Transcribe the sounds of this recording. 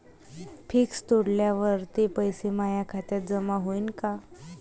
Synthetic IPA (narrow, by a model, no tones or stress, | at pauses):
pʰiːkst̪oɽljaʋəɾt̪epəjsemajakʰat̪jat̪̚d͡zəmaɦoinka